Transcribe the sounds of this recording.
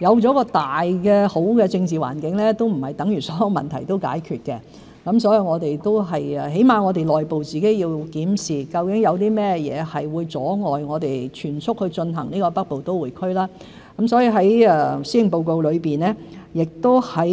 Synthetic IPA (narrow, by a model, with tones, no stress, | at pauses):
jɐ˨˧wt͡sɔː˨˥kɔː˧t̪aː˨jkɛ˧ho˨˥wkɛ˧t͡sɪ˧ŋt͡siː˨˩wa̰ː˨˩nkɪ˨˥ŋlɛ˥t̪o˥wm̩˨˩hɐ˨jt̪ɐ˨˥ŋjyː˨˩sɔː˨˥jɐ˨˧wmɐ̰˨nt̪ʰɐ̰˨˩jt̪o˥wka̰ː˨˥jkʰyː˨˧t̚kɛ˧ | kɐ˨˦msɔː˨˥jiː˨˧ŋɔː˨˧t̪e˨jt̪o˥wɦɐ˨jɛ˨˩ɦe˨˥jmaː˨ŋɔː˨˧t̪e˨˩jlɔː˨jpo˨wt͡siː˨ke˨˥jiː˧wkiː˨˥msiː˨kɐ˧wkɪ˨˥ŋjɐ˨˧wt̪iː˥mɛː˥jɛ̰ː˨˧hɐ˨jwuː˨˧jt͡sɔː˨˥ŋɔː˨jŋɔː˨˧t̪e˨jt͡ʃʰyː˨˩nt͡sʰʊ˥k̚hɵ˧t͡ʃɵ˧nɦɐ˨˩ŋniː˥kɔː˧pɐ˥k̚po˨wt̪o˥wuː˨˩jkʰɵ˥ɥlaː˥ | kɐ˨˥msɔː˨˥ji˧ɦɐ˨˥jɛː˧si˥ɪ˨ŋpo˨wko˨˧wlɵ˨˧ɥpiː˨nɛː˥jɪ˨k̚t̪o˥whɐ˨˥